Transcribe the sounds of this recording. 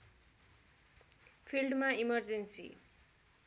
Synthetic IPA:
pʰilɖmaimʌrd͡zensḭ

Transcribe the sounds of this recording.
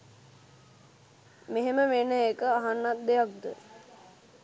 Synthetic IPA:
meɦeməʋenəekəaɦanːat̪̚d̪eak̚d̪ə

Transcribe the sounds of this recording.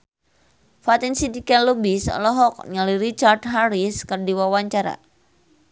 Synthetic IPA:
fat̪insidikɛnlobisɔ̰lɔɦɔk̚ɲaliɾit͡ʃardɦaɾiskərdiwawaɲt͡ʃaɾa̰

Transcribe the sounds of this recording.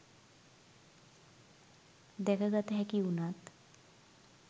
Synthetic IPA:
d̪ɛkʰaɡat̪əɦɛkiunat̪

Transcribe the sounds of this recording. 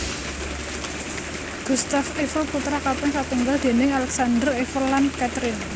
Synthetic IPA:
ɡ̥ṳst̪afefəlput̪ɾakapaŋsat̪uŋɡald̪̥e̤nɪŋalɛksand̪ərefərlːankat̪ɾɪn

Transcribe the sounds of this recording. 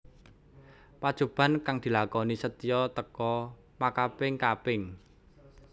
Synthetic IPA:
pad̥ʒ̥o̤b̥ä̤nkaŋd̪̥i̤lakɔnisət̪ijɔt̪əkɔ | makapɪŋkapɪŋ

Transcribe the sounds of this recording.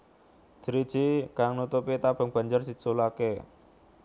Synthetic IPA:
d̪̥ɾid̥ʒ̥ikaŋnut̪upit̪ab̥əŋb̥a̤ɲd͡ʒərd̥i̤t͡ʃulake

